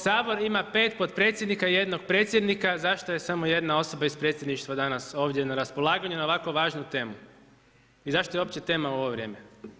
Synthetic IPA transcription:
saːbo̞ɾimape̞ːt̪pot̪pɾet̪sjed̪nikaije̞d̪no̞ɡ̚pɾe̞ːt̪sjed̪nikazaʃt̪oje̞samoje̞d̪nao̞so̞baispɾet̪sʲjed̪niʃt̪ʋad̪anaso̞ːʋd̪jenaɾaspo̞lˠaːɡaɲunaoʋako̞ʋaːʒnut̪e̞ːmu | izaʃt̪oeo̞pt͡ɕet̪e̞ːmauo̞ʋoʋɾʲje̞ːme

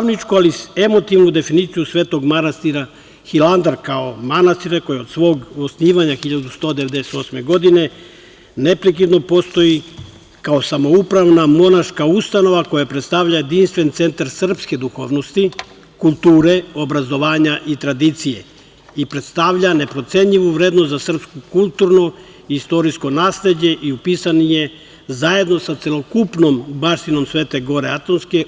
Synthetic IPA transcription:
nit͡ʃkualie̞mo̞t̪iʋnud̪e̞finit̪sijusʋe̞ːt̪o̞ɡmanast̪iɾa | xiland̪aɾkao̞manast̪iɾeko̞jiod̪sʋo̞ːɡosniːʋaɲaxiʎad̪ust̪o̞ːd̪eʋe̞d̪eset̪o̞sme̞ɡo̞d̪ine̞ | ne̞pɾek̬id̪no̞po̞st̪o̞ji | kaosamo̞upɾaʋnamo̞naʃkaust̪ano̞ʋako̞japɾet̪st̪aʋʎaje̞d̪inst̪ʋe̞nt̪se̞nt̪aɾsr̩pske̞d̪uxo̞ːʋno̞st̪i | kulˠt̪uːɾe̞o̞bɾazo̞ʋaːɲaʔit̪ɾad̪it̪sije̞̰ | ipɾe̞t̪st̪aʋʎane̞pɾo̞t̪seɲʎiʋuʋɾeːd̪nost̪zasr̩pskukulˠt̪uɾno̞ | ist̪o̞ɾisko̞naːsle̞d͡ʑe̞ʔiupisanije̞ | zaje̞d̪no̞sat̪se̞lokupno̞mbaʃt̪ino̞msʋe̞ːt̪e̞ɡo̞ɾeat̪onske̞

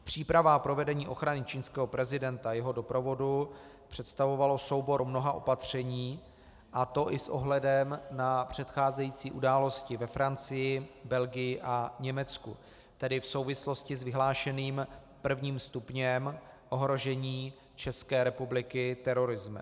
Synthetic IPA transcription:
pr̝̥iːpɾavapɾo̞vɛdɛɲiːʔo̞xɾanɪt͡ʃiːnskɛːɦo̞pɾɛzɪdɛnt̪ajɛɦo̞do̞pɾo̞vo̞du | pr̝̥ɛt̪st̪avo̞valo̞so̞wbo̞ɾmno̞ɦaʔo̞̰pat̪r̝̥ɛɲiː | ʔat̪o̞ʔɪsʔo̞̰ɦlɛdɛmnapr̝̥ɛt̪xaːzɛjiːt͡siːʔudaːlo̞scɪvɛfɾant͡sɪjɪbɛlɡɪjɪʔaɲɛmɛt͡skṵ | t̪ɛdɪfso̞wvɪslo̞scɪzvɪɦlaːʃɛniːm | pr̩vɲiːmst̪upɲɛmʔo̞ɦɾo̞ʒɛɲiː | t͡ʃɛskɛːɾɛpublɪkɪt̪ɛɾo̞ɾɪzmɪ̰

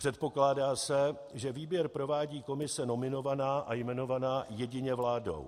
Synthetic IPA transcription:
pr̥ɛt̪̚po̞klaːdaːsɛ | ʒɛviːbjɛɾpɾo̞vaːɟiːko̞mɪsɛno̞mɪno̞vanaːʔajmɛno̞vanaːjɛɟɪɲɛvlaːdo̞̰w

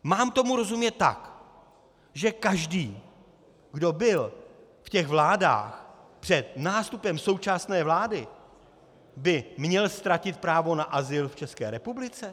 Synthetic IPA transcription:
maːmt̪o̞muɾo̞zumɲɛt̪ːa̰k | ʒɛkaʒdiː | ɡdo̞bɪl | fcɛɣvlaːda̰ːxpr̥ɛt̪̚naːst̪upɛmso̞wt͡ʃasnɛːvlaːdɪ | bɪmɲɛlst̪ɾacɪt̪̚pɾaːvo̞naʔazɪlft͡ʃɛskɛ̰ːɾɛpublɪt͡sɛ

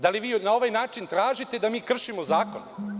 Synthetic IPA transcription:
d̪aliʋiːnao̞ʋajnaːt͡ʃint̪ɾaːʒit̪e̞d̪amiːkr̩ʃimozaːkon

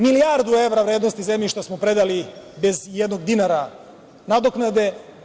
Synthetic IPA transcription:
milijaɾd̪ue̞ʋɾaʋɾeːd̪nost̪izemʎiʃt̪asmopɾe̞d̪alibe̞zjed̪no̞ɡd̪inaɾa | nad̪oknad̪e̞

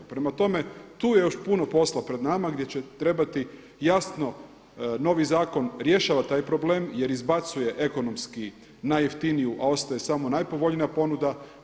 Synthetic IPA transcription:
pɾemat̪o̞me̞t̪uːjejo̞ʃpuno̞po̞slapɾe̞d̪namaɡd̪jet͡ɕe̞t̪ɾe̞bat̪i | jasno̞ | no̞ʋizaːko̞nɾje̞ʃaːʋat̪aːjpɾo̞ble̞ːmje̞ɾizbat̪suje̞ʔe̞ko̞no̞mski | najeft̪inijuʔao̞st̪ajesamo̞najpo̞ʋo̞ʎnijapo̞nud̪a

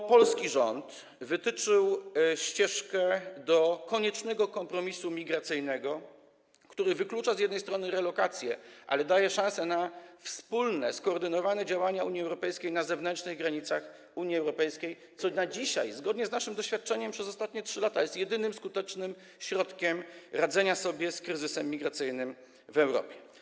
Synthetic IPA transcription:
pɔlskʲiʐɔnt̪ | vɘt̪ɘt͡ʂɘwɕt͡ɕɛʂkɛd̪ɔkɔɲɛt͡ʂnɛɡɔkɔmpɾɔmʲisumʲiɡɾat̪sɘjnɛɡɔ | kt̪uɾɘvɘklut͡ʂazjɛd̪nɛjst̪ɾɔnɘɾɛlɔkat̪sʲjɛ̰ʔa̰lɛd̪ajɛʂãsɛnafspulnɛ̰skɔːɾd̪ɘnɔvanɛd͡ʑawaɲauɲiɛwɾɔpɛjskʲejnazɛvnɛnt͡ʂnɘɣɡɾaɲit̪sax | uɲjiɛwɾɔpɛjskʲej | t̪sɔnad͡ʑiɕa̰jzɡɔd̪ɲɛznaʂɘmd̪ɔɕfʲjat̪̚t͡ʂɛɲɛmpʂɛzɔst̪at̪ɲɛtʂɘlat̪ajɛst̪ʲjɛd̪ɘnɘmskut̪ɛt͡ʂnɘm | ɕɾɔt̪kʲɛmɾad̪zɛɲasɔbʲjɛskɾɘzɘsɛmːʲiɡɾat̪sɘjnɘm | vɛwɾɔ̰pʲjɛ

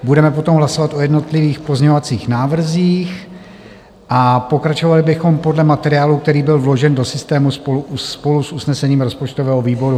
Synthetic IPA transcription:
budɛmɛpo̞t̪o̞mɦlaso̞vat̪ʔo̞jɛdno̞t̪lɪviːxpo̞zɲɛovat͡siːxnaːvr̩ziːx | ʔapo̞kɾat͡ʃovalɪbɪxo̞mpo̞dlɛmat̪ɛɾɪaːluk̚t̪ɛɾiːbɪlvlo̞ʒɛndo̞sɪst̪ɛːmuspoluupo̞lusʔusnɛsɛɲiːmɾo̞spot͡ʃt̪ovɛːɦoviːbo̞ɾu

